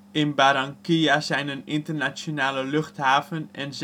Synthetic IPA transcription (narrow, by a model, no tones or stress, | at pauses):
ɪnbaɾaŋkijazɛjnənɪntərnat͡ssjonaːləløχthaːvənɛnz